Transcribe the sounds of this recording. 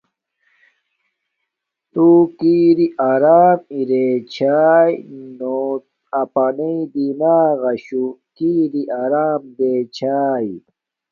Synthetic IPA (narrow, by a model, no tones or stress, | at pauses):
t̪uːkiːɾiʔaːɾaːmiɾeːt͡ɕʰaːjno | ɐpaniid̪inaːɣɐɕukiːɾiʔaːɾaːmd̪eːt͡ɕʰaːj